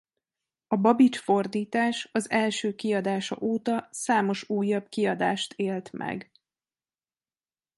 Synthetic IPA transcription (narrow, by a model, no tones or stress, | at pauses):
ɒbɒbit͡ʃfo̞rd̪iːt̪aːʃɒzɛlʃøːkiɒd̪aːʃɒ̰ʔoːt̪ɒsaːmo̞ʃuːjːɒbkiɒd̪aːʃt̪ʰeːlt̪mʔɛ̰ɡ